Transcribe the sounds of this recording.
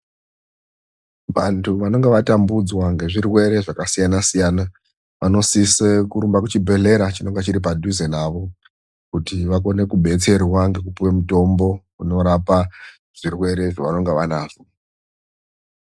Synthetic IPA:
ʋantʰuʋano̞ŋɡeʋatambud͡zwaŋɡe̞ʐirwe̞ɾe̞ʐakasijanasijana | ʋano̞sisekuɾumbakut͡ʃibʱe̞ɮe̞ɾat͡ʃino̞ŋɡet͡ʃiɾip̬adʱuzenaʋo̞ | kutiʋako̞ne̞kuɓʱe̞t͡se̞rwaŋɡe̞kupuwemuto̞mbo̞ | uno̞ɾapa | ʐ̥irwe̞ɾe̞ʐaʋano̞ŋɡeʋanaːʐo

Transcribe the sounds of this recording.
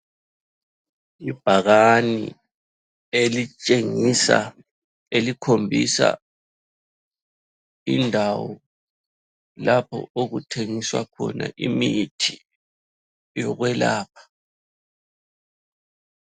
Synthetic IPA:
ib̥ʱaɣanḭ | elit͡ʃʼeŋisa̰ | elikʰombʱisa̰ | indʱawɔ | lapʰɔ̰oɣutʰeŋiswakʰɔnaʔimitʰi | jɔɣwɛlaːp̚ʰḁ

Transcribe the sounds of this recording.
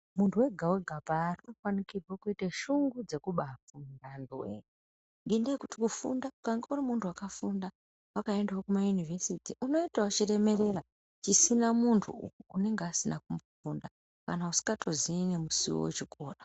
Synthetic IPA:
muntʰuwe̞ɡʱaweɡʱapaːrnokwanikirwokuiteʃuŋɡud͡ze̞kuɓafundandwḛ | ŋɡindiekuti̥kufṵndakaŋɡaurimuntʰuwakafunda | wakae̞ndawokumajunivʱesitiʔuno̞itawut͡ʃire̞me̞re̞ra | t͡ʃisinamuntʰṵune̞ŋɡeasinak̚umbofunda | kanausi̥kɡatʰozinemusiwo̰wo̰t͡ʃiko̞ːɗa

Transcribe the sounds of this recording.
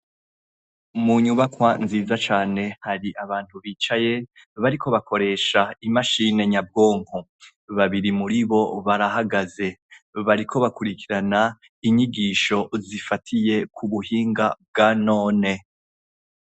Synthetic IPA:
muɲuβakwanziːzat͡ʃaːne̞haɾiʔaβaːn̥huβiːt͡ʃaje̞ | βaɾikʰo̞βako̞ɾe̞ːʃaimaʃine̞ɲab̚ɡo̞ːŋo | βaβiɾimuɾiβo̞βaɾaɦaɡaze̞βaɾikʰo̞βakuɾikʰiɾana | iɲiɡiːʃo̞zifatʰije̞kʰuβuhiːŋɡab̚ɡano̞ːne̞

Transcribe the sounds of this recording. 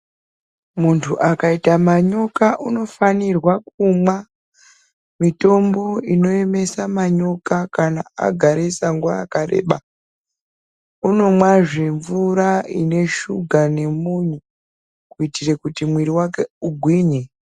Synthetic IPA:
muntʰuʔakaitamaɲokaʔuno̞fanirwakumwa | mito̞mbo̞ino̞e̞me̞samaɲo̞kakanaa̰ɡʱaɾesaŋɡua̰ːkaɾe̞̰ːɓa | uno̞mwaʐeɱvuɾaḭne̞ʃuɡʱane̞muɲu | kuitire̞kutimwiɾiwakeuɡʱwiːɲe

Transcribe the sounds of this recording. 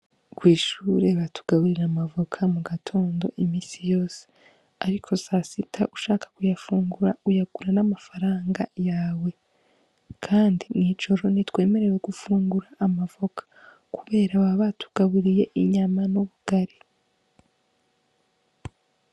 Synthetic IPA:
kwiːʃuɾe̞βatʰu̥ɡ̥aβuɾiɾamavo̞kʰamuɡatʰo̞ːndo̞̰ʔimiːsijo̞ːse̥ | aɾikʰo̞sasitʰaʔuʃaːkḁkujafuːŋɡuɾaujaɡ̥uɾanamafaɾaːŋɡajaːwe̞ | kʰaːndinid͡ʒo̞ɾo̞nitwe̞ːme̞ɾe̞weɡufuːŋɡuɾaʔːmavo̞kʰḁ | kʰuβe̞ːɾaβaβatʰu̥ɡ̥aβuɾije̞ʔiɲamanuβuɡ̥aɾe

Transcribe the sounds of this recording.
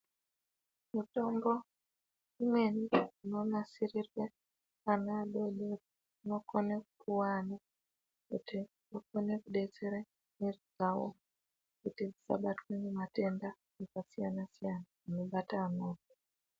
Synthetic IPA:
mutombo | umweniunomasirirwe | anaɗoɗe | nokonekʰuwani | kuti | nokonekuɗet͡seɾe | mirid͡zawo̰ | kutid͡zisa̰ɓatwenimate̞nda | ekasijanasijana | unoɓataːnoke

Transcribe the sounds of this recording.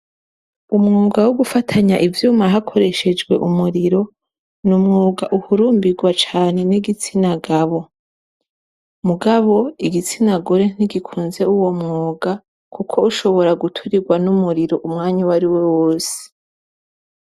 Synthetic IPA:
umŋuːɡawoɡufatʰaɲaʔivjuːmaɦakʰo̞ɾe̞ʃe̞d͡ʒɡwe̞̰ʔumuɾiɾo̞ | numŋuːɡaʔuhuɾuːmbiɡwat͡ʃaːne̞niɡit͡sinaɡaβo̞ | muɡaβo̞iɡit͡sinaɡoɾe̞n̥iɡikʰuːnze̞uwo̞mŋuːɡa | kukʰo̞uʃo̞βo̞ɾaɡutʰuɾiɡwanumuɾiɾo̞ʔumŋaːɲiwaɾiwewoːse̥

